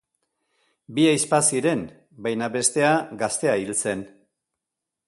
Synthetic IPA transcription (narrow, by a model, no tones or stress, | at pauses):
biajspasiɾe̞m | bajnaβe̞st̪e̞aɡast̪e̞ailt͡se̞n